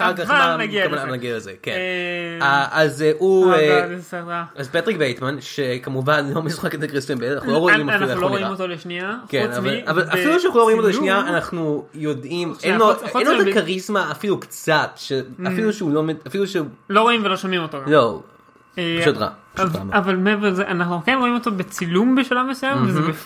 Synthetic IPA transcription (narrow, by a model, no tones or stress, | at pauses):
aχaʁkaχanɡaaanaɡialezekenaazueaazpat̪ʁikbejt̪manʃekamuvanlomesu̥χaket̪akʁistanbenaχnuloʁoimaloimot̪oleʃniakenaalavalafiluʃanaχnuloimot̪̬olʃniaːnaχnujo̞dimenoenodakaʁizmaːfilukt͡sat̪ʃeafiluʃeulomeafiluʃeulo̞ʁoimvelo̞ʃamimot̪okzo | eʃod̪ʁa̰a̰avalmevezeʔanaχnukenʁo̞imot̪obet͡silumbeʃalamesujemvezebe